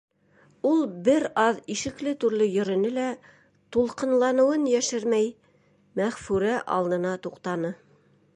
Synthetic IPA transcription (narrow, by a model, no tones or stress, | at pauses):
ulˠbɘɾɑðiʃɘ̆klɘt̪ʉɾlɘjɵ̆ɾɘ̆nɘlæ | t̪ulˠqɤ̆nlˠɑnɤ̆wɤnjæʃɘɾmæj | mæʁfʉɾæʔɑ̰lˠd̪ɤ̆nɑt̪uqt̪ɑnɤ